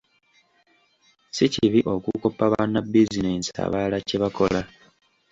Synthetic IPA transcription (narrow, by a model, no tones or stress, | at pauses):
siciβiʔo̞kukopːaβaːnːabːizineːnsa̰βaːlaceβako̞la